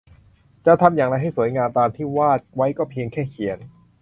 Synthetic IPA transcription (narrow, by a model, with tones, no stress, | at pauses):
t͡ɕa˨ʔt̪ʰa˧mjaː˨˩ŋɾa˧jɦa˥˩jsu˩˦jŋaː˧nt̪aː˧nt̪ʰiː˥˩waː˥˩t̪̚wa˦˥jkɔː˥˩pʰi˧əŋkʰɛː˥˩kʰi˨˩˦ən